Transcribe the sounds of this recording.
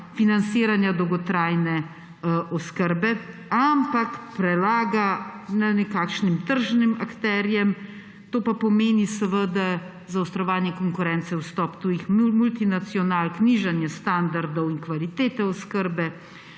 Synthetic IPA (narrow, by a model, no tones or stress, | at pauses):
finansiːɾanjad̪ɔwɡɔt̪ɾaːjnɛ | ʔɔskəɾbɛ | ampakpɾɛlaːɡananɛkaːkʃnimt̪əɾʒnimakt̪ɛɾjɛm | t̪oːpapɔmeːnisəʋəd̪a | zaɔwst̪ɾɔʋaːnjɛkɔŋkʊɾɛnt̪sɛwst̪ɔpt̪uːjixmult̪inat̪siɔnaːlkniʒanjɛst̪and̪aɾd̪ɔwinkʋalit̪eːt̪ɛɔskəɾbɛ